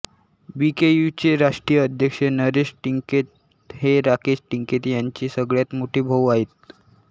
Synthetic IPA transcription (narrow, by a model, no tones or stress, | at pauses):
bikejut͡ɕeɾaʂʈɾijəːd̪ʱjəkʂənəɾeɕʈiŋket̪̚ | heɾakesʈiŋket̪jaɲt͡ɕiːsəɡɭjat̪moʈʰiːbʱəwaɦet̪̚